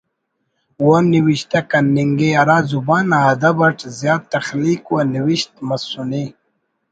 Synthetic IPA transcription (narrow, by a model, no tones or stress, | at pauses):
woniwiɕt̪akɐnːiŋɡeɐɾaːzubaːnaɐd̪ɐbɐʈʰzjaːt̪̚t̪ɐxliːkwaniwiɕt̪̚mɐsuni